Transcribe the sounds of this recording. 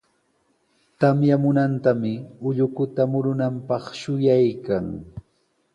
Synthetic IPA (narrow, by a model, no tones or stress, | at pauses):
t̪amjamʊnant̪amɪʊʎʊkʊt̪amʊɾʊnampɑχʃʊjajkaŋ